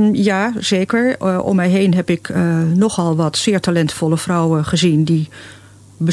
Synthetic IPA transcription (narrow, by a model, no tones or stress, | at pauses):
jaːz̥eːkəɹʔɔ̰mːɛjɦejnɦɛpɪknɔχɔlˠʋɑtsɪːɹtalɛntfɔləfrɔwəχəzindi | bə